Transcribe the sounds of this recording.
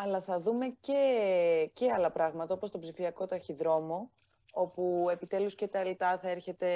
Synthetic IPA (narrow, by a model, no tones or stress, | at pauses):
ɐlɐθɐðume̞ce̞ceɐlɐpɾɐɣmɐt̪ɐo̞po̞st̪o̞bsifiɐko̞t̪ɐçiðɾo̞mo̞ | o̞pue̞pit̪e̞luscet̪ɐelt̪ɐθɐeɾçe̞t̪e̞